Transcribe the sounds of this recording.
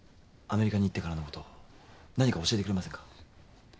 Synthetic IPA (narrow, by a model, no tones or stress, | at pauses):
ame̞ɾʲikaɲ̟it̪ːe̞kaɾanoko̞̥t̪o̞ | naɲ̟ikao̞ɕie̞t̪ekɯɾe̞masẽŋkḁ